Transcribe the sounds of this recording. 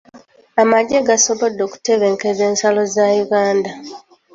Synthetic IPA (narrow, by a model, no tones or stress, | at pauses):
amaɟeɡaso̞βo̞dːo̞ːku̥te̞βeːŋkeze̞ːnsalo̞zajuɡaːnda